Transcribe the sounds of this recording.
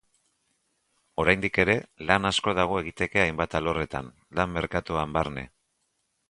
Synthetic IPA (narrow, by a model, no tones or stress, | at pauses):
o̞ɾajnd̪ike̞ɾe̞lanasko̞ð̞aɣ̞o̞e̞ɣit̪e̞ke̞ajmbat̪alo̞re̞t̪a̰n | lamːe̞ɾkat̪uambaɾne̞̰